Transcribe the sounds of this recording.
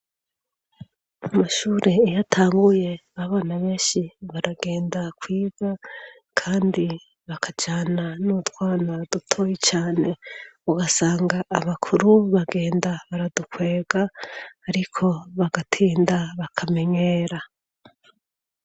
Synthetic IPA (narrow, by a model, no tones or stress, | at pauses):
amaʃuːɾʔeːjatʰaːŋɡuje̞βaβaːnaβe̞ːʃiβaɾaɡe̞ːndakwiːɡ̥a | kʰaːndi | βakʰad͡ʒaːnanutwaːnadutʰojit͡ʃaːne̞uɡasaːŋɡaʔːβakʰuɾuβaɡe̞ːndaβaɾadukwe̞ːɡ̥aːɾikʰo̞βaɡatʰiːndaβakʰame̞ɲe̞ːɾa